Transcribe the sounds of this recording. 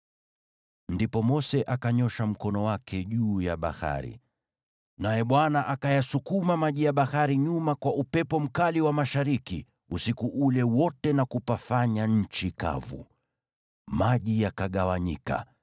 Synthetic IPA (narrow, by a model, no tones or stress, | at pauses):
ndipɔmɔsɛʔakaɲɔʃam̩kɔnɔwakʰɛʄuːjaɓa̰ha̰ɾḭ | najɛɓwanaʔakajasukumamaʄijaɓahaɾiɲumakwaʔupɛpɔm̩kaliwamaʃaɾikḭ | usikuʔulɛwɔtɛnakupafaɲaɲ̩t͡ʃika̰vṵ | maʄijakaɠawaɲika̰